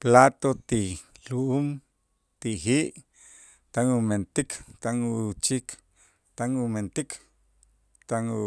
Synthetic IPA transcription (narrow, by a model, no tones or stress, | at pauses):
plat̪ot̪iluum | t̪iɦiʔ | t̪aŋument̪ikt̪aŋut͡ʃik | t̪aŋument̪ik | t̪aŋu